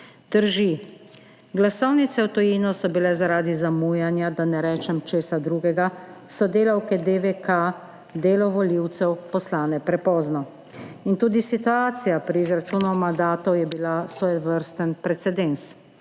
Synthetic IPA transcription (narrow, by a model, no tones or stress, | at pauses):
d̪̥əɾʒi | ɡlasɔwnit̪sɛwt̪ɔjinɔsɔbilɛzaɾaːd̪izamujanjad̪anɛɾɛːt͡ʃɛmt͡ʃeːsad̪ɾuːɡɛɡasɔd̪eːlawkɛd̪eʋeka | d̪eːlɔʋɔliwt̪sɛwpɔslaːnɛpɾɛpɔːznɔ | int̪uːd̪isit̪uaːt̪sijapɾiːzɾat͡ʃuːnɔwmand̪aːt̪ɔwjɛbilasʋɔjɛʋəɾst̪ənpɾɛt̪sɛd̪ɛns